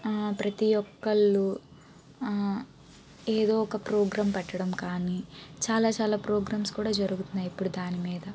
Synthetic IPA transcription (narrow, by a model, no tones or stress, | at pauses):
pɾɐt̪iɔkːɐɭːu | eːd̪o̞ːɔkɐpɾoːɡɾaːmpɛʈːɐɽɐmkaːnit͡ʃaːlaːt͡ʃaːlaːpɾoːɡɾaːmskuːɽaːd͡ʒɐɾuɡut̪unːaːjipːuɽud̪aːnimiːd̪ɐ